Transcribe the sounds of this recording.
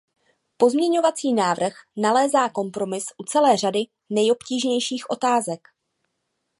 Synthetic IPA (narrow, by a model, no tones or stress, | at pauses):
po̞zmɲɛɲo̞vat͡siːnaːvr̩xnalɛːzaːko̞mpɾo̞mɪsʔut͡sɛlɛːr̝adɪ | nɛjo̞pciːʒɲɛjʃiːxʔo̞t̪aːzɛk